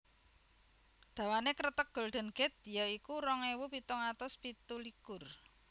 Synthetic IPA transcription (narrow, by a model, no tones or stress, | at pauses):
d̪̥a̤wanekɾət̪ək̚ɡ̥o̤lɖ̪̥ə̤nɡ̥ɛ̤t̪̚jɔikurɔŋewupit̪ɔŋat̪ɔspit̪ulikʊr